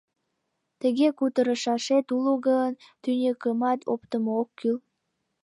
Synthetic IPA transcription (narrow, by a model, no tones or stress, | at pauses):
t̪əɣekut̪əɾəʃɑʃet̪uluɣəənt̪ynʲekəmɑt̪ʰo̰pt̪əmookʰːyl